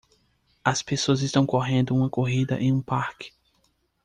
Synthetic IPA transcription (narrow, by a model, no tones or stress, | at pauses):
ɐspesoɐzɪst̪ɐ̃w̃koɦẽnd̪ʊũmɐkoɦid̪ɐʔẽj̃ũpaɾkɪ̥